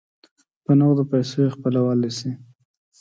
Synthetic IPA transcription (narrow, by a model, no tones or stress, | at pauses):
pənoɣd̪əpajsojexpəlawalisi